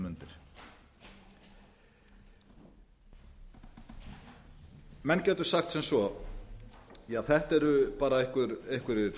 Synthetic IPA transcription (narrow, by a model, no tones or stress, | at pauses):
mʏnt̪ɪɾ̥ | mɛncɛːt̪ʏ̥saxt̪sɛmsvɔ | jaːθɛht̪ɛɾʏpaːɾaejhkʏɾejhkʏɾ